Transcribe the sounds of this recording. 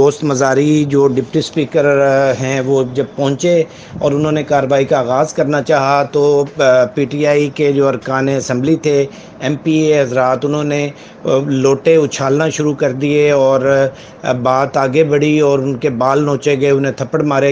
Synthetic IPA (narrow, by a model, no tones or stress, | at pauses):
oːst̪mɐzaːɾid͡ʒoːɖɪpʈispiːkəɾɦɛ̃ʋod͡ʒɐb̚pɐɦʊ̃ɲt͡ʃe | ɔ̰ːɾʊnɦõːnekaːɾəʋaːikaːɣaːzkɐɾnat͡ʃaːɦat̪oːpiːʈiːaːiked͡ʒoːɐɾkaːneɐsɛ̃mblit̪ʰe | ɛːmpieɦɐzɾaːt̪ʊnɦõːne | loːʈeʊʃʰaːlnaʃʊɾukɐɾd̪ieɔːɾ | baːt̪aːɡebɐɽiɔːɾʊnkebaːlnɔːt͡ʃeɡɐeʊnɦẽt̪ʰɐpəɽmaːɾe